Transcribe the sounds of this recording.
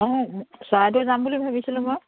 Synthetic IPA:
ɔsajdɔzambulibʱabisilʊ̃mɔj

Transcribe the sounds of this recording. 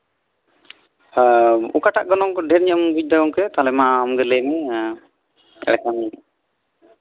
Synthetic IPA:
ṵkaʈaʔɡɔnɔŋkɔɖʱɛɾɲəmbud͡ʒ̚d̪aɔŋkɛt̪alɛmaɔmɡɛləjmɛ | ɛ̰ɽɛkani

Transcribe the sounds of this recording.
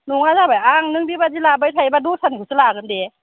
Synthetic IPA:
nuŋazabaaŋnɯŋbibazilabɯjtʰajbadusʰankʰɯsɯlaɡɯnde

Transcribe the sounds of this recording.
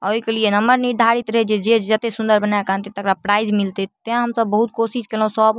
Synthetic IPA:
a̰oikelienəmːəɾniɾɖ̪ʱaɾit̪ɾəɦɛd͡ʒed͡ʒed͡ʒət̪esund̪əɾbənaekant̪it̪əkɾapɾaid͡ʒmilt̪et̪eɦãɦəmsəbːəɦut̪̚kosiskelɦũsəb

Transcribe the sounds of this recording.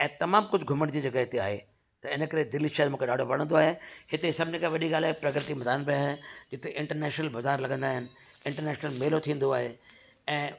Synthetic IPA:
ɛ̃ːt̪ɐmaːmkʊd͡ʑʱɡʱʊməɽ̃d͡ʑid͡ʑɐɡaɦɪt̪ea̰ːɦḛ | t̪ɐɪnəkɐɾed̪ɪliʃɐɦəɾmũːkʰeɗaːɖʱopɐɽə̃nd̪oaːɦehɪt̪esɐbʱɪnəkãʋɐɗiɡaːlaːɦepɾɐkɾət̪imɐd̪aːnbɪaːɦɪnd͡ʑɪt̪eʔɪ̃ɳʈəɾnɛːʃnəlbɐzaːɾlɐɠə̃nd̪aːɦɪnɪ̆ | ɪ̃ɳʈəɾnɛːʃnəlmeːlot̪ʰĩːn̆d̪oaːɦe | ɛ̃ː

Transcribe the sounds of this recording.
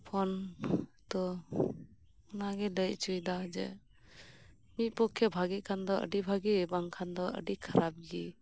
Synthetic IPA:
pʰɔnt̪ɔ | ɔnaɡɛləjt͡ʃujdad͡ʒɛ̰ | mit̪̚ˀpɔkʰːɛbʱaɡikʰand̪ɔʔə̰ɖibʱaɡibaŋkʰand̪ɔʔə̰ɖikʰaɾab̚ɡi

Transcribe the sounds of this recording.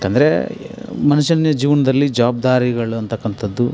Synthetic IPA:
keːnd̪ɐɾe | mɐnɐʃɐnjɐd͡ʒiːʋɐnɐd̪ɐlːid͡ʒɐʋaːb̚d̪aːɾiɡɐɭuɐnt̪ɐkːɐnt̪ʰɐd̪ːu

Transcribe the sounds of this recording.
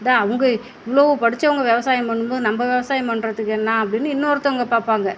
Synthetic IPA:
ɐðaːɐʋɐŋɡɐɪʋːɐɭoːʋɯpɐɽɯt͡ʃːɐʋɐŋɡɐʋɛʋɐsaːjɐmpɐɳːɯmboːðɯnɐmbɐʋɛʋɐsaːjɐpɐɳːɾɐðɯkːɛnːaːɐpːɐɽɪnːɯɪnːoːɾɯt̪ːɐʋɐŋɡɐpaːɾpaːŋɡɐ

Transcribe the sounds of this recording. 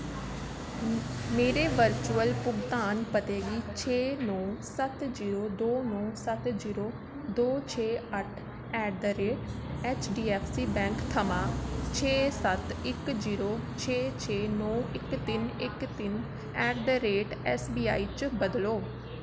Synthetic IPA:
meːɾeːʋəɾt͡ʃuəlpʊɡt̪aːnpət̪eːɡiːt͡ʃʰeːnɔːsət̪ziːɾoːd̪oːnɔːsət̪d͡ʒiːɾoː | d̪oːt͡ʃʰeːəʈʰ | ɛːɖd̪əɾeːʈɛːt͡ʃɖiːɛːpʰsiːbɛ̃ːŋkt̪ʰəmaːt͡ʃʰeːsət̪ɪkd͡ʒiːɾoːt͡ʃʰeːt͡ʃʰeːnɔːɪkt̪ɪnɪkt̪ɪn | ɛːʈd̪əɾeːʈɛːsbiːa̰ːiːt͡ʃbəd̪loː

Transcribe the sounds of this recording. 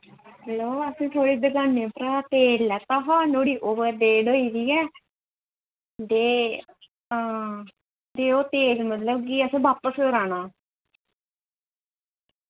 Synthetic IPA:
ɦəloːəsĩːt̪ʰoːɽiːd̪əɡaːnːeːpɾaːt̪eːzlɛːt̪aːɦaːnoːɽiːʔoːʋəɾd̪eːɖoːiːd̪iːɛː | d̪eː | d̪eːoːt̪eːzmət̪ləbkiːəsẽːbaːpəskəɾaːnaː

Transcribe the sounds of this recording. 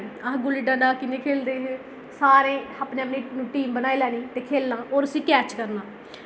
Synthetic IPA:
ãɡʊliɖãːɖaːkɪnẽːkʰeːld̪eːɦe | saːɾẽːaːpneːəpniːnũːʈiːmbənaːiːlɛːniːt̪eːkʰeːlnãːoːɾəsĩːkɛːt͡ʃkəɾnaː

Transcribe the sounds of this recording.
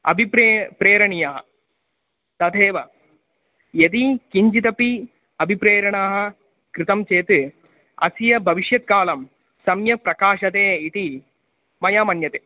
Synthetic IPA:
ɐ̰bʱipɾepɾeːɾɐɳijaːɦɐ | t̪ɐd̪ʱeːʋɐ | jɐt̪̬ikiɲd͡ʒit̪ɐpi | ɐbʱipɾeːɾɐɳaːɦɐ̆ | kɾɨt̪ɐmt͡ʃeːt̪ɨ | ɐ̰sijɐbʱɐʋiʃjɐt̪̚kaːlɐm | sɐmjɐpɾɐkaːʃɐt̪eːit̪i | mɐjaːmɐnjɐt̪eː

